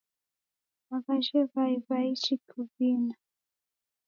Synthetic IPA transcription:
akaʃɛvaivait͡ʃikʰuvina

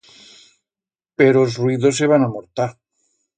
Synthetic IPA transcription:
peɾozrwiðo̞seβ̞anamoɾt̪aɾ

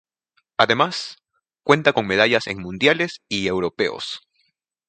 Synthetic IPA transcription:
aðe̞mas | kwe̞nt̪ako̞ŋme̞ð̞aʝase̞̰ŋmũnd̪jale̞sie̞wɾo̞pe̞̰o̰s

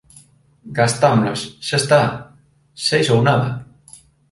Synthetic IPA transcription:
ɡast̪amlosʃaest̪a | sejsownaðɐ

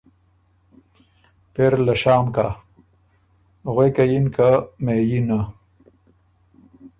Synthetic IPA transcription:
peɾlɐʃaːmka̰ | ɣwekajinkamejina

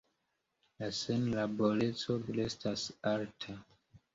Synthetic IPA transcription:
lasenlaboɾet͡soɡlestʰasaɾtʰa

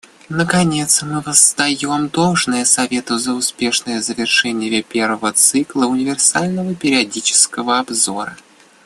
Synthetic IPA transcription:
nəkɐnʲe̞t̪smɨvəzd̪ɐjo̞md̪o̞lˠʐnəjəsɐvʲe̞t̪ɨzəʊspʲe̞ʂnəjəzəvʲɪrʂɛnʲɪjəpʲe̞rvəvət̪sɨklˠəʊnʲɪvʲɪrsalʲnəvəpʲɪɾʲɪɐdʲit͡ɕɪ̥skəvəɐbzoɾə̰

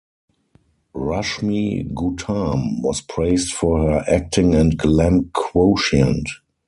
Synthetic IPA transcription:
ɹaʃmiɡutʰãmwɔspʰɹeɪstfɔhə˞ʔæk̚tʰɪ̃ŋɛ̃ntɡlæ̃mkʰwoʊʃə̰̃nt

